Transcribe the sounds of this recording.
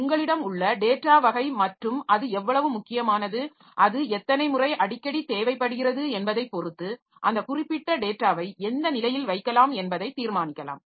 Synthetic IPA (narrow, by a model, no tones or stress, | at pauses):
ʊŋɡɐɭɪɽɐmʊɭːɐɖeːʈːaːʋɐɣɐɪmɐʈrɯmɐðɯɛʋːɐɭɐʋɯmʊkːɪjɐmaːnɐðɯ | ʔɐðɯɛt̪ːɐnɐɪmʊrɐɪʔɐɽɪkːɐɽit̪eːʋɐɪpːɐɽɯɣɪrɐðɯɛnbɐðɐɪpːɔɾɯt̪ːɯ | ʔɐnd̪ɐkʊrɪpːɪʈːɐɖeːʈːaːʋɐɪɛnd̪ɐnɪlɐjɪlʋɐɪkːɐlaːmɛnbɐðɐɪt̪ːiːɾmaːnɪkːɐla̰ːm